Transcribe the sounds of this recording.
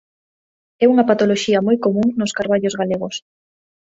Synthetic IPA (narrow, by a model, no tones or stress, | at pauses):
ɛuŋɐpat̪oloʃiɐmojkomũŋnoskaɾβaʎozɣaleɣ̞os